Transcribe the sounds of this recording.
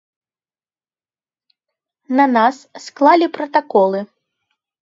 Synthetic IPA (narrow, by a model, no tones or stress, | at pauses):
nɐnassklˠalʲipɾɐt̪akɔlˠɨ